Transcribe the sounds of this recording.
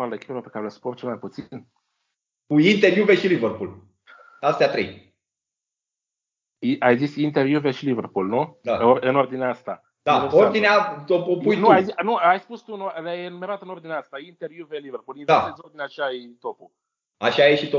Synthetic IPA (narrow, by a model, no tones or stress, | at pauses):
ald̪ekʲilopekaɾeləsport͡ʃelmajput̪sin | kuint̪eɾjuveʃilivərpul | ast̪eat̪ɾḛj | iʔajzisint̪erjuveʃilivərpulnud̪aoɨno̞rd̪ineaast̪a | d̪auord̪ineat̪opopujnuajzinuajspust̪uɨnolajenume̞ɾat̪əɨno̞rd̪ineaast̪aint̪ervjuveliverpulinvast̪ezo̞rd̪ineaʃait̪o̞pu | aʃajeʃit̪o